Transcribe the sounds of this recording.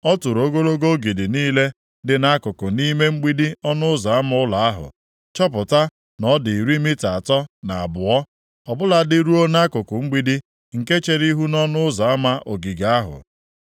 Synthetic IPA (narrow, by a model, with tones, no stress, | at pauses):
ɔ˦tʊ˨ɾo˦ɡo˦ɾo˦ɡo˦ɡi˨dɪ˨niː˦le˦ | dɪ˨na˦kʊ˨kʊ˨ni˦me˦ŋ͡m̩˦ɡ͡bi˦di˦ɔ˦nʊ˦ʊ˦za˨a˦m˦ʊ˦la˨a˦ɦʊ̰˨ | t͡ʃɔ˦p̬ʊ˨ta˦ | nɔ˦dɪ˨i˨ɾi˦mi˦ta˨a˨tɔ˦na˨a˨bʊ˨ɔ˦ | ɔ˨bʊ˦la˨dɪ˦ɾu˦o˦na˦kʊ˨kʊ˨ŋ͡m̩˦ɡ͡bi˦di˦ | ŋ̩˨ke˦t͡ʃe˨ɾi˦ɦu˦nɔ˦nʊ˦ʊ˦za˨a˦ma˦ʔo˨ɡi˨ɡa˦a˦ɦʊ̰˨